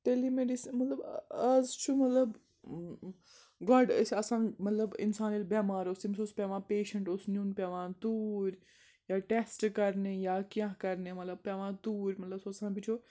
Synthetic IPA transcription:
t̪elimeɖismɐt̪ləbɐzt͡ʃʰumɐt̪ləb | ɡɔɖsɐsãːmɐt̪ləbɪ̰nsaːniːlbaːmaːɾʊsimsospʲeʋãːpeːʃəɳʈʊsnuːnpʲaːʋãːt̪uːɾʲ | jaːʈesʈkɐɾnejaːkjãɦkɐɾnemɐt̪ləb̚pjaʋãːt̪uːɾʲmɐt̪ləbsoɐsãːbit͡ʃʰo

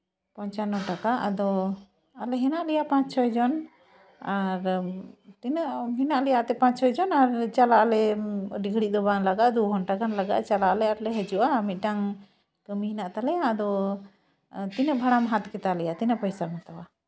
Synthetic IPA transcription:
pɔɲt͡ʃanɔʈakaʔad̪ɔ | alɛɦɛnaʔlɛjapãt͡ʃt͡ʃʰɔjd͡ʒɔn | aɾt̪inəʔɦinaʔlɛjaʔt̪ɛpãɲt͡ʃt͡ʃʰɔjd͡ʒɔnaɾt͡ʃalaʔlɛɖiɡɽiʔ̚d̪ɔbanlaɡaʔd̪uɦɔnʈakanlaɡa̰ʔt͡ʃalaʔlɛaɾlɛɦɛd͡ʒuʔaːmit̪̚ˀɖaŋ | kəmiɦinaʔt̪alɛjaːd̪ɔ | t̪inəʔbʱaɽamɦat̪kɛt̪alɛjat̪inəʔpəjsamɔt̪awa

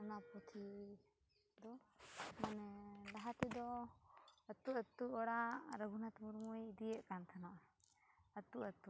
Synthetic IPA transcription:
unapɔt̪ʰi | d̪ɔmanɛd̪aɦat̪ɛd̪ɔ | ət̪ːuʔət̪ːuɔɽaɾəɡunat̪muɾmujid̪ijəʔkant̪ʰanɔʔ | ət̪ːuʔət̪ːu

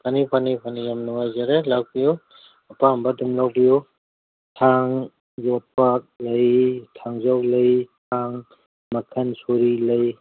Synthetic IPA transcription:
pʰanipʰanipʰanijamnuŋajzaɾelaw̚biju | ɐpambadumlawbijo | tʰaŋ | zɔt̚pak̚lɐjtʰaŋzawlɐjtʰaŋ | mɐkʰɐnsoɾilɐj

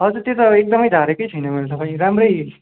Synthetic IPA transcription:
ʌd͡zuɾt̪jet̪ʌek̚d̪ʌmʌjd̪ʱaɾekʌjt͡sʰʌjnʌmʌnet̪ʌpaĩɾamɾʌj

